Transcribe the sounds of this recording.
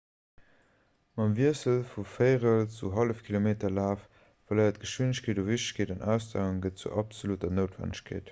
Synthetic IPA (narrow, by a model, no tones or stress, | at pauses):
mɑmviəsəlfufəɪʁəlt͡suɦɑləfkʰilomeːtɐlaːf | fɐləɪɐt̚ɡ̥əʃwinəɕkʰeːduːviɕtə̥ɕkʰeːdɑnʔæʊsda̰ːuŋɡət̚t͡sṵʔɑpz̥olutɐnəʊtv̥æ̰nəɕkʰḛːt